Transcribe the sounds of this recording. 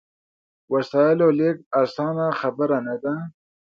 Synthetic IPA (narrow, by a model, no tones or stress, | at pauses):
wasɑːjɪlolek̚asɑːnaxabəɾanad̪a